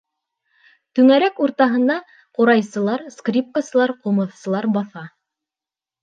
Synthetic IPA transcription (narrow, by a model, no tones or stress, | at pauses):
t̪ɵ̆ŋæɾækuɾt̪ɑɦɤ̆nd̪ɑ | qoɾɑjsɤ̆lˠɑɾskrʲip̚kasɤ̆lˠɑɾqŭmɤ̆θsɤ̆lˠɑɾbɑθɑ